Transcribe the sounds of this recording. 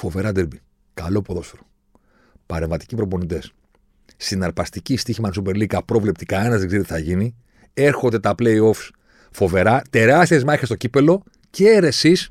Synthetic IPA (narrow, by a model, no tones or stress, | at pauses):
fo̞ve̞ɾɐd̪eɾbi | kɐlo̞po̞ðo̞soɾo̥ | pɐɾe̞ɱvɐt̪i̥cipɾo̞po̞nit̪e̞sː | t̪inɐɾpɐst̪icist̪içimɐnsupe̞ɾlikɐpɾo̞vle̞pt̪ikɐe̞nɐzðeɡzeɾit̪iθɐʝini | e̞ɾxo̞nd̪e̞t̪ɐple̞io̞fs | fo̞ve̞ɾɐt̪e̞ɾɐst̪iezmɐçest̪o̞cipe̞lo̞ | ceeɾe̞sis